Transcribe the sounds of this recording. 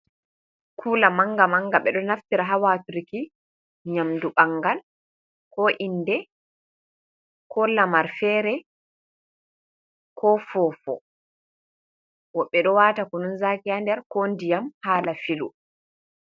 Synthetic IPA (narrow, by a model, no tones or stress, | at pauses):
kʰuːlamaŋɡamaŋɡaɓɛɗɔnaftiɾaɦawatuɾiki | ɲamduɓaŋɡal | kʰɔʔindɛ | kʰɔlamaɾfɛːɾɛ | kʰɔfɔːfɔ̰ | wɔɓːɛɗɔwaːtakɔnunzakiandɛɾkondijamhaːlafilṵ